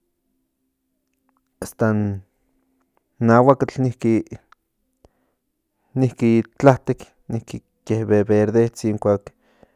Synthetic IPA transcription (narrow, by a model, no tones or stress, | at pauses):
ast̪an | awakat͡ɬnihki | nihkit͡ɬaht̪ek | nihki | kehβeβeɾðet͡siŋkʷaːk